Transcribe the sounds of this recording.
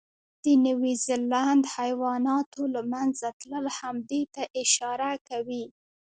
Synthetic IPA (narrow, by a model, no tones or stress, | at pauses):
d̪̥ənawizeland̪hajwɑnɑt̪olamanzat̪ləlhamd̪ujt̪aʔɪʃɑɾakawi